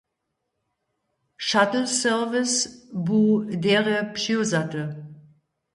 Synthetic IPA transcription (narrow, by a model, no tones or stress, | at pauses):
ʃatl̩sœʁvɪsbuːdeːʁəpʃiozatə